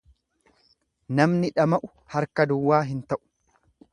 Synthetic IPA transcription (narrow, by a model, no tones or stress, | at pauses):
nɐmnɪᶑɐmɐʔʊ | hɐɾkɐd̪ʊwːaːɦɪnt̪ɐʔʊ̥